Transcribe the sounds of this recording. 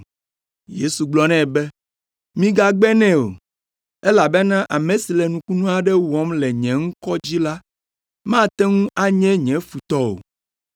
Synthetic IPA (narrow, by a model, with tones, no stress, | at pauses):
je˦su˨ɡ͡blɔ˦nɛ̃˦˨bɛ˦ | mĩ˦ɡa˦ɡ͡bɛ˦nɛ̃˦o̰˨ | ɛ˦la˨bɛ˦nã˦ʔa˨mẽ˨si˨lɛ˨nũ˨˦ku˦nũ˦a˨ɖɛ˦wɔ˨˦mlɛ˨ɲɛ̃˨ŋ̩˦kɔ˦d͡ʑi˦la˦ | mã˦˨t̪ɛ˦ŋũ˦ʔa˦ɲɛ̃˦ɲɛ̃˨˦fu˨t̪ɔ˦o̰˨